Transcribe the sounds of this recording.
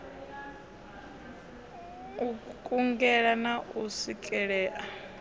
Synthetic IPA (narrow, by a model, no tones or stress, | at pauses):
ukʼuŋɡɛɺanaʔusikʼɛɺɛːʔa